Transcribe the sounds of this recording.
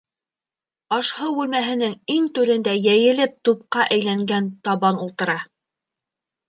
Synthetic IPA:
ɑʃhɤwʉlmæɦɘ̆nɘŋiŋt̪ʉɾɘ̆nd̪æjæjɘ̆lɘp̚t̪up̚qɑʔæjlæŋɡænt̪ɑβɑnulˠt̪ɤ̆ɾɑ

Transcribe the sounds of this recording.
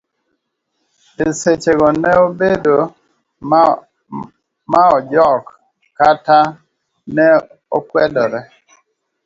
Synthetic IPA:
eset͡ʃeɣɔnɛobedo | maɔd͡ʒɔk | kata | nɛ | ɔkwɛdɔɾɛ

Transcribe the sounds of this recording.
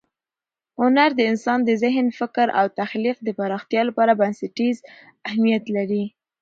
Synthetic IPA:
hʊnaɾd̪əɪnsɑnd̪əzɪɦnfɪkɾa̰wt̪axliq̚d̪əpaɾɑxt̪jɑlapɑɾabansɪʈiz | ahmijat̪laɾi

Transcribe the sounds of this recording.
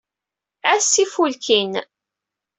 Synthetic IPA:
æsːifulkin

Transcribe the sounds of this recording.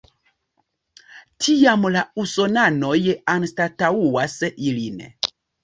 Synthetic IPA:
tʰiamlausonanojanstatauwasilin

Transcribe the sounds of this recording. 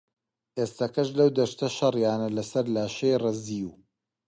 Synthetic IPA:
ʔeːst̪ɐkɐʃlɐwd̪ɐʃt̪ʰɐʃɐrjaːnɐlɐsɐɾlaːʃejrɐziːu

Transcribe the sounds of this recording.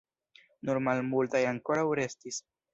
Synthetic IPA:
nuɾmalmultajaŋko̞ɾawɾe̞stis

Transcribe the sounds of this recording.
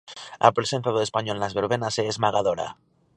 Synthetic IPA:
a̰pɾesenθaðoespaɲolnazβeɾβ̞enaseːzmaɣ̞aðoɾa̰

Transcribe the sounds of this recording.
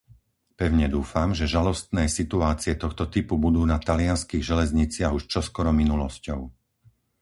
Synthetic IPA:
pɛʊɲɛd̪uːfamʒɛʒalɔst̪nɛːsit̪uaːt͡siɛt̪ɔxt̪ɔt̪ipubud̪uːnat̪alɪanskiːɣʒɛlɛzɲit͡sɪaɣuʃt͡ʃɔskɔɾɔminulɔscɔʊ

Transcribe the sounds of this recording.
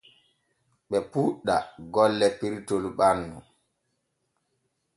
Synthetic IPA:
ɓɛpuɗːa̰ɡɔlːɛpiɾtolɓanːu

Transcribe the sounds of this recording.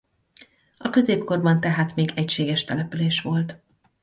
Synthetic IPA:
ɒkø̞zeːpko̞rbɒnt̪ɛɦaːt̪meːɡɛcʃeːɡɛʃt̪ɛlɛpyleːʃʋo̞lt̪

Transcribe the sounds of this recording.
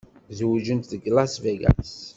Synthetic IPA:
zwʒənt̪ðəɡlasveɡa̰s

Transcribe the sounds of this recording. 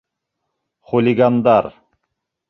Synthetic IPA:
χulʲiɡand̪ɑɾ

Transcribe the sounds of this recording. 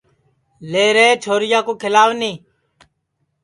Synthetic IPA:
leːɾeːt͡ʃʰoːɾɪjaːkoːkʰɪlaːʋnĩː

